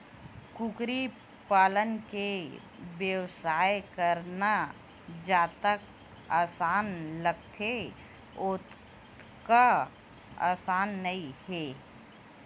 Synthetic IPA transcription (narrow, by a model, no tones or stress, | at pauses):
kukɾi | paːlənke | bjəwsaːekəɾna | d͡ʒaːt̪ək̚ | aːsaːnləɡt̪ʰe | ʊt̪ | ka | a̰ːsaːnːɐĩhɛː